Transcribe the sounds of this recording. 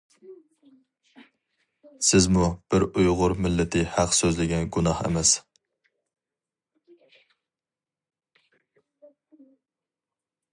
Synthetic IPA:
sɪzmub̥ɪɾujʁʊɾmɪlːɪt̪ʰɪhæqsøzlɪɡʲɛnɡunɑχḛmɛs

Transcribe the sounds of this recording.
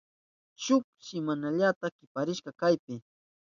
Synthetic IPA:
t͡ʃʊk̚ʃɪmanaʎat̪akɪpaɾɪʃkɑkajpɪ

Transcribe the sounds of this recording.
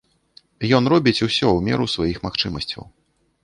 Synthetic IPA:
jɔnrɔbʲit͡sʲusʲɔwmʲɛ̰ɾusvajixmaxt͡ʂɨmɐsʲt͡sʲɐ̰w

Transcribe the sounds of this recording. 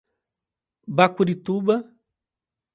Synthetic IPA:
bakuɾit̪uba

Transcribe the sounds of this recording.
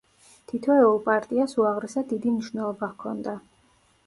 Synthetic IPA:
t̪ʰit̪ʰvɛɛulˠpʼaɾt̪ʼiasuaʁɾɛsad̪id̪imniʃvnɛlˠɔbakʰɔnd̪a

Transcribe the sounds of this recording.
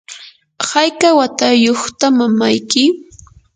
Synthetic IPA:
hɑjkawat̪ajoχt̪amamajkɪ

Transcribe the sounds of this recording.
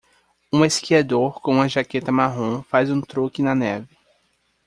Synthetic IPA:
ũeskiad̪oɾkõũmɐʒaket̪ɐmaɦõfazũt̪ɾokɪnɐnɛvɪ

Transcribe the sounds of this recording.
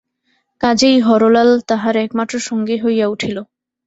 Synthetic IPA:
kad͡ʑejɦɔɾolalt̪aɦaɾɛkmat̪ːɾoʃɔŋɡeɦojauʈʰilo

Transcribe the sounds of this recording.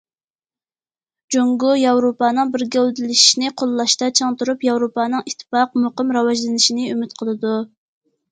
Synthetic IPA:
d͡ʒoŋɡujɑwɾopɑːnɨŋbɪɾɡʲɛd̪ɪlɪʃi̥ʃnɪqʰolˠlˠɑʃt̪ɑt͡ʃʰɑŋt̪uɾupjɑwɾopɑːnɨŋit̪ʰːfɑqmoqəmɾɑwɑʒlɨnɪʃinɪymyt̪qʰəlˠɨd̪u

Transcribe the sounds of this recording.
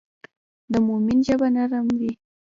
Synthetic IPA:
d̪əmʊminʒabanaɾamwi

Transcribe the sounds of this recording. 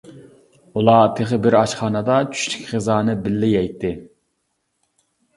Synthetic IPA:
ulˠɑt̪ʰeʁəbɪɾɑʃχɑːnəd̪ɑt͡ʃʰy̥ʃli̥kʲχəzɑːnɨbɪlːɪjɛjt̪ʰːɪ

